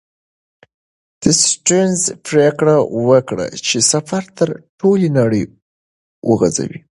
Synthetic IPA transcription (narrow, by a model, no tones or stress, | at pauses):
d̪̥əsʈenzpɾekɽawəkɽa̰t͡ʃesafaɾt̪əɾʈʰolinɑɽəj | wəɣaza̰wi